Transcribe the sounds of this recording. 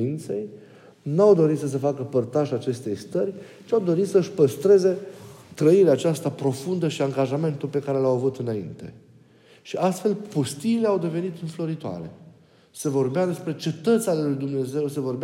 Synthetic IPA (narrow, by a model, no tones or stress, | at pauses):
int̪se̞̰j | nawd̪o̞ɾit̪səs̬əfakəpərt̪aʒat͡ʃe̞st̪e̞jst̪əɾʲ | t͡ʃiawd̪o̞ɾit̪səɨʃpəst̪ɾe̞ze̞t̪ɾəiɾeaːt͡ʃast̪apɾo̞fund̪əʃiaŋɡaʒame̞nt̪ulpe̞kaɾe̞lawavut̪ɨnaḭnt̪e̞̰ | ʃiʔast̪fe̞lpost̪iːleawd̪e̞ve̞nit̪ɨnflo̞ɾit̪oa̰ɾe̞̰ | se̞vo̞rbead̪e̞spɾe̞t͡ʃe̞t̪ət̪sʲalelujd̪umne̞ze̞wse̞vo̞rbe